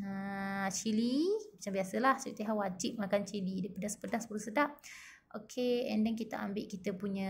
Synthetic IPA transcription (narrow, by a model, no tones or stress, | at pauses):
ət͡ʃilimat͡ʃambiasəlaht͡ʃiit̪eɦawad͡ʒiʔ̚makant͡ʃilidaipadasə̥pədasəpəlusədap̚ | ʔokʰeɛndɛŋkit̪a̰a̰mbɪʔkit̪əpuɲã